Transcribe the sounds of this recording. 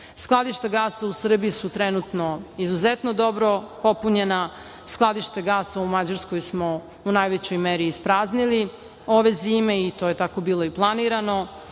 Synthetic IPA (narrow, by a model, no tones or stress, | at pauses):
sklˠad̪iʃt̪aɡaːsausr̩bijisut̪ɾenut̪no̞izuzet̪no̞d̪o̞bɾo̞po̞puɲena | sklˠad̪iʃt̪eɡaːsaumad͡ʑaɾsko̞jsmo̞ | unajʋet͡ɕo̞jmeɾiːspɾaːznili | o̞ʋe̞ziːme̞it̪o̞ːje̞t̪ako̞biːlˠo̞iplˠaniɾano̞